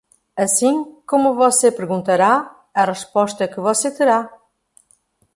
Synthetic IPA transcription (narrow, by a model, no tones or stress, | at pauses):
ɐsĩkomʊvɔsepɨɾɣũnt̪ɐɾa | ɐʁɨʃpɔʃt̪ɐkɨvɔset̪ɨɾa